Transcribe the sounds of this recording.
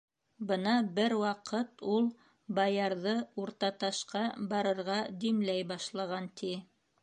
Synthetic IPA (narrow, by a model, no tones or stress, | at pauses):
bɤnɑbɘɾwɑqɤt̪ulˠ | bɑjɑɾðɤuɾt̪ɑt̪ɑʃqɑbɑɾɤ̆ɾʁɑd̪imlæjbɑʃlˠɑʁɑnt̪ʰi